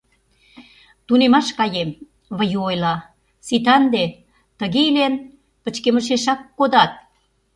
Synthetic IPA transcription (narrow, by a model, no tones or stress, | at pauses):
t̪unemɑʃkɑjem | βə̆juojlɑ | sit̪̬ɑnd̪e | t̪ə̆ɣelen | pə̆t͡ɕkemə̆ʃ̬eʃɑkːod̪ɑt̪̚